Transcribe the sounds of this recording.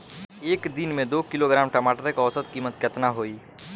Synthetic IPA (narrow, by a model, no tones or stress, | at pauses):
eːkd̪ɪnmẽd̪oːkɪloɡɾaːmʈəmaːʈəɾekɔːsət̪kiːmət̪kɐt̪naɦoːiː